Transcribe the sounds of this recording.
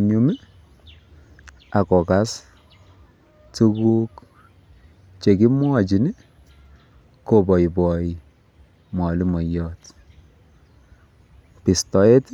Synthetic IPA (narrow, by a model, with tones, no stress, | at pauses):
ɲu˨mɛ˦ | a˨kɔ˨ka˦s | tu˦ku˦k | t͡ʃe˨ki˦mwɔ˦t͡ʃi˨ni˦ | ko˨bɔ˨i˨bɔ˨i | mɔ˨li˦mɔ˨jɔ˦t | pi˨stɔ˨e˦t